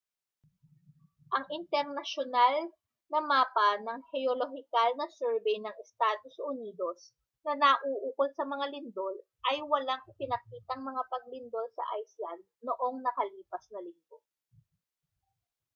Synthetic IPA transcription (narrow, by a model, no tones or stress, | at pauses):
ʔɐŋʔɪnt̪ɛɾnɐʃonal | nɐmaːpɐnɐŋhɛoloɦɪkalnɐsɛɹbɛjnɐŋɛst̪aːd̪o̞sʊniːd̪o̞s | nɐnɐʔuːʔuːkolsɐmɐŋalɪnd̪o̞l | ʔɐjwɐlaŋʔɪpɪnɐk̚iːt̪ɐŋmɐŋapɐɡ̚lɪnd̪o̞lsɐ̰ʔa̰jslɐnd̪̚noʔo̞ŋnɐkɐliːpɐsnɐlɪnɡ̪o